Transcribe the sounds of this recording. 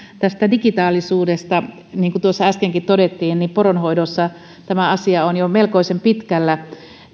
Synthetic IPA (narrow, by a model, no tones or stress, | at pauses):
t̪æst̪ædikit̪ɑːlisuːdest̪ɑ | niːŋkut̪uosːɑæskeŋkit̪t̪odet̪ːiːnnipporonhoidosːɑ | t̪æmæɑsiɑonjomelkoisempit̪kælːæ